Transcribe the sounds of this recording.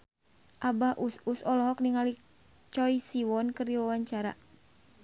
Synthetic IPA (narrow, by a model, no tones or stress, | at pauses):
ʔabahʔususɔlɔɦɔk̚niŋali | t͡ʃɔjsiwɔnkɨrdiwawaɲt͡ʃaɾa̰